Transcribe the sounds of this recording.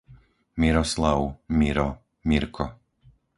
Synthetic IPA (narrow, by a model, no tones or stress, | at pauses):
miɾɔslaʊmiɾɔ | miɾkʰɔ